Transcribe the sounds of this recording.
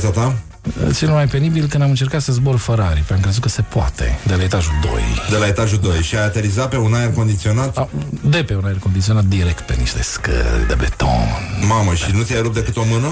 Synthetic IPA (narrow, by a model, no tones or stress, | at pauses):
sat̪a̰ | t̪sinumajpe̞nibilkɨnd̪amɨnt͡ʃe̞rkat̪səzborfəɾaɾipamkɾezut̪̚kəse̞poa̰t̪ḛd̪e̞lae̞t̪aʒud̪o̞̰jd̪e̞lae̞t̪aʒud̪o̞jʃiajat̪e̞ɾizat̪̚pe̞unajerko̞nd̪it̪sio̞nat̪ad̪e̞pe̞unaerko̞nd̪it̪sio̞nat̪̚d̪iɾekt̪̚pe̞niʃt̪e̞̰skə̰lɾʲd̪ḛbḛt̪o̰nmaməʃinut̪sijajɾup̚d̪e̞kɨt̪o̞mɨnə